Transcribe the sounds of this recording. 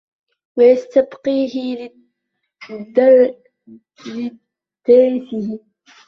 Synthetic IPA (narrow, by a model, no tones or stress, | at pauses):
wajast̪abqiːɦɪl | d̪ | lɪ | d̪̥aːfɪhɪ